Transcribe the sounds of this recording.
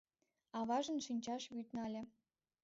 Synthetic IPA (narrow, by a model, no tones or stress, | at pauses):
ɑβɑʒə̆nʃinʲt͡ɕɑʃβyt̪nɑlʲĕ